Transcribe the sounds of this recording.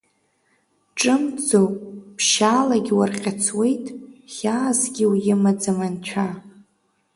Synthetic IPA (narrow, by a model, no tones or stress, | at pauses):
ʈ͡ʂʼɨmd͡zowʼpʰʃaːlaɡʲiwarqʲʼat͡sʰwe̞jtʼχʲaːzɡʲiwjɪmad͡zamant͡ɕʷʰa